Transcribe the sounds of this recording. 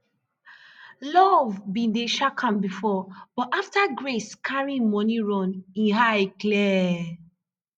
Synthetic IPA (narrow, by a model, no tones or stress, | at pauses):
lɔvbĩndeʃakʰãmbifɔb̥ɔtʔaftaɡɹeskʰaɹĩŋmɔniɹɔ̃nĩnɦajklɛ